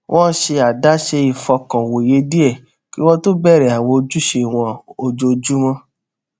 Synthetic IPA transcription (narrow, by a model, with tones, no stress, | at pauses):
w̃ʔɔ̃˦ʃe˧a˨da˦ʃe˧i˨fɔ˧kɔ̃˨wo˨je˨˦di˦ɛ˦˨ | ki˦w̃ɔ̃˦to˦bɛ˦˨ɾɛ˨a˨w̃ɔ̃˧o˧d͡ʒu˦ʃe˧˨w̃ɔ̃˧o˧d͡ʒo˧d͡ʒu˦mɔ̃˦